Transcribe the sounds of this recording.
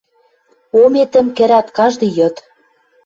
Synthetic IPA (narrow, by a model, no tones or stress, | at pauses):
omet̪ɘ̆mkɘ̆ɾæt̪kɑʒd̪ɤ̆jɤ̆t̪